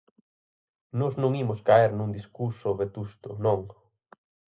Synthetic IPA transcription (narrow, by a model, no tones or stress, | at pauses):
nɔznõŋimʊskaeɾnũŋd̪iskuɾsʊβet̪ust̪ʊnõŋ